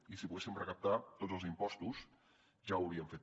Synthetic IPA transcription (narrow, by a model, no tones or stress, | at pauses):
isipuɣesimrəkap̚t̪at̪otd͡zzəlˠzimpɔst̪uz | ʒawɾiəɱfet̪